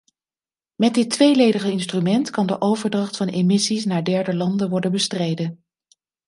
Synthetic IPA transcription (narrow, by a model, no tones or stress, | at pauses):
mɛd̚ɪtʋejlejdəχəɪnstrymɛntkɑndəʔowvəɹdrɑχtfɑnemɪsisnaːɹdɛɹdəlɑndəʋɔɹdənbəstrejdən